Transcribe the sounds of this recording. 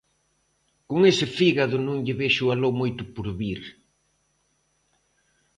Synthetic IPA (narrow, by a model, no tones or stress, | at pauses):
koŋesɪfiɣaðʊnõŋʎɪβeʃʊalomojt̪ʊpoɾβiɾ